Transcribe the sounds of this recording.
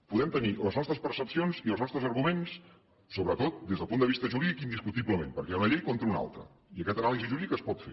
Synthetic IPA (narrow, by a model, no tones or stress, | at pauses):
puðɛmt̪əniləznɔst̪ɾəspərsəpsionziəlˠznɔst̪ɾəzəɾɣumens | soβɾət̪ot̪̚d̪ezðəlˠpund̪əβist̪əʒuɾiikind̪iskut̪iβləmempəɾkɛnəʎejkont̪ɾəuna̰lˠt̪ɾə̰ | iəkɛt̪ənaliziʒuɾikəspɔt̪fḛ